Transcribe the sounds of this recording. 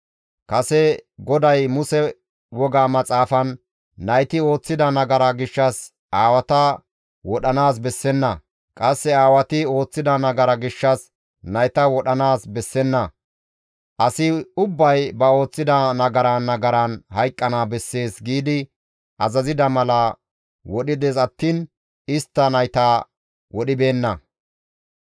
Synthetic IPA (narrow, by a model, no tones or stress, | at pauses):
kɐsɛɡɔd̪ɐjmʊsɛ | wɔɡaːmɐt͡sʼaːfɐnː | ɐjt̪ɪo̞ːt͡sːɪd̪ɐnɐɡɐɾɐɡɪʃːɐs | aːwɐt̪ɐ | wɔɗɐnaːs̬bɛsːɛnːɐ | kʼɐsːɛaːwɐt̪ɪo̞ːt͡sːɪd̪ɐnɐɡɐɾɐɡɪʃːɐs | nɐjt̪ɐwɔɗɐnaːsbɛsːɛnːɐ | ʔɐsɪʊbːɐjbɐo̞ːt͡sːɪd̪ɐnɐɡɐɾanːɐɡɐɾɐnhɐjkʼːɐnabɛsːe̞ːsɡiːd̪ɪ | ʔɐzɐzɪd̪ɐmɐlɐ | wɔɗɪd̪ɛsɐt̪ːiːn | ɪst̪ːɐnɐjt̪a | wɔɗɪbe̞ːnːɐ